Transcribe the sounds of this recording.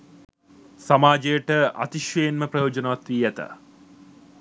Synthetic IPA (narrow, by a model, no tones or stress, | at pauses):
samaːd͡ʒejəʈəa̰t̪iʃʋɐjenməprɐjoːd͡ʒɐnəʋat̪ʋiːæt̪ə̰